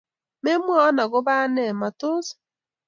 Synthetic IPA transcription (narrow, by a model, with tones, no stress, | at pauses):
me˦mwa˦ɔ˦na˨ɣo˦βa˦nɛ˨ma˨to˦s